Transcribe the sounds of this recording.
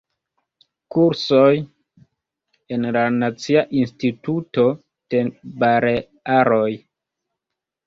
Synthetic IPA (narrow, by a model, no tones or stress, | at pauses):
kuɾsoj | e̞nlanat͡siaʔinstituto̞ | d̥ebaɾe | aɾoj